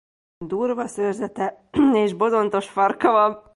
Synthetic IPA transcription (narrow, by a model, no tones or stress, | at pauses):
d̪uːrvɒsørzɛt̪ɛ | eːʒbo̞zo̞nt̪o̞ʃfɒrkɒvɒl